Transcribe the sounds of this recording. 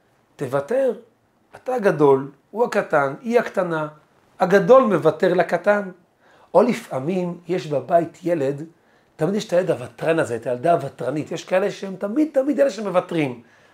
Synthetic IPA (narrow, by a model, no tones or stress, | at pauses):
tevate̞ʁ | ataːɡado̞l | uakataniaktana | haɡado̞lme̞vateʁlakatan | ʔo̞lifʔamimjeʃbabaitʰjele̞d | tːamid̪jeʃt̪ajeledavat̪ʁanazetajaldaːvatʁanit̪jeʃkaele̞ʃeemt̪amid̪̚t̪amidjeleʃeemevatʁim